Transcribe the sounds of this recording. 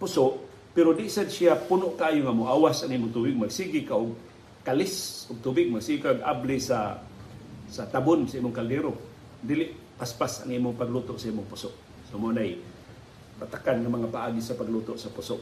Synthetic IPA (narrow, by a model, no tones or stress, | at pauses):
pʊsoʔ | peɾodɪʔsad̪siapunoʔkaaːjʊŋamʊʔawasaŋimʊŋt̪ubɪɡ̚maɡsiɡikaʔʊɡ̚ | kalɪsʊɡ̚t̪ubɪɡ̚maɡsiɡikaɡʔa̰blɪsa | sat̪abʊnsaimʊŋkaldeɾo | d̪iːlɪʔ | paspasaŋimʊŋpaɡlut̪ʊʔsaʔimʊŋpʊsʊʔ | somoanaj | pat̪akanŋamaŋapaʔaɡisapaɡlut̪oʔsapʊsoʔ